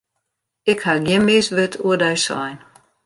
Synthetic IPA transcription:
ɪkhaɡjɪnmɪsʋɪtʰuədɛjsɔ̰jn

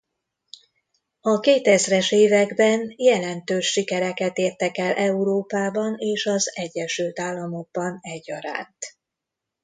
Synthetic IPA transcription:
ɒkeːt̪ɛzrɛʃeːvɛɡbɛnjɛlɛnt̪øːʃːikɛɾɛkɛt̪eːrt̪ɛkɛlʔɛuɾoːpaːbɒneːʃɒzɛɟːɛʃylt̪aːlːɒmo̞ɡ̚bɒnɛɟːɒɾa̰ːnt̪

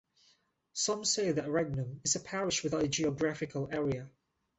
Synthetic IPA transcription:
sʌ̃mseɪðəʔɹɛɡ̚nə̃mɪzəpʰæɹɪʃwɪðaʊtəd͡ʒiɔɡɹafɪkʰəlɛːɹiə

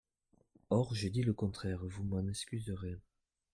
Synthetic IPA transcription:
ɔʁʒed̪iləkɔ̃t̪χɛʁvumɑ̃nɛskʲyzəʁe

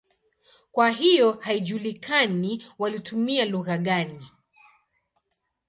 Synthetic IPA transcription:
kwaɦijɔhaiʄulikʰaniwalitumialuɣaɠani

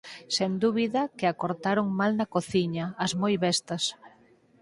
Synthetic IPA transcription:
send̪uβiðɐkɪakoɾt̪aɾoŋmalnɐkoθiɲɐːzmojβɛst̪ɐs

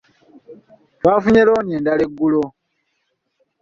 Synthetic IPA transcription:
twaːfuɲeloːnjeːndaleɡːulo

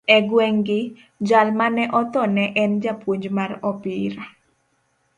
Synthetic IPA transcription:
ɛɡwɛŋɡɪ | d͡ʒalmanɛʔɔt̪ɔnɛʔɛnd͡ʒapwoɲd͡ʒmarɔpɪɾa

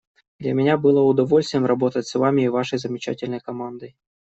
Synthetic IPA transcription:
d̪lʲɐmʲɪnʲabɨlˠəʊd̪ɐvolʲst̪vɪjmrɐbot̪ətʲsvamʲɪːvaʂəjzəmʲɪt͡ɕa̰tʲɪlʲnəjkɐmand̪əj

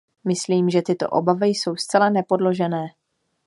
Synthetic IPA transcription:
mɪsliːmʒɛt̪ɪt̪o̞̰ʔo̰bavɪjso̞wst̪t͡sɛlanɛpo̞dlo̞ʒɛnɛː

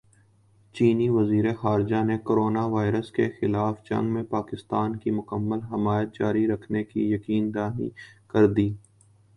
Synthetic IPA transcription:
t͡ʃiːniʋɐziːɾexaːɾd͡ʒanekoːɾoːnaʋaːɪɾəskexɪlaːfd͡ʒɐ̰̃ŋɡmẽpaːkɪst̪aːnkimʊkəmːəlɦɪmaːjət̪̚d͡ʒaːɾiɾɐkʰnekḭjɐkiːnd̪aːɦḭkɐɾd̪iː

